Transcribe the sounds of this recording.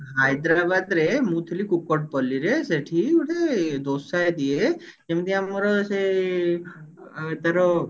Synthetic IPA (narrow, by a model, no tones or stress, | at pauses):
ɦajd̪ɾabad̪ɾemut̪ʰlikukɔʈ̚pɔliɾeseʈʰiuʈʰed̪osaed̪ie | d͡ʒemt̪iamɔɾɔse | et̪aɾɔ